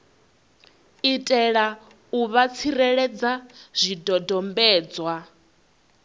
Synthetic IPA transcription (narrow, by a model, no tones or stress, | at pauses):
itʼɛɺa | uβat͡sʰiɾɛɺɛd͡zaz̥ʷidɔdɔmbɛːd͡zwa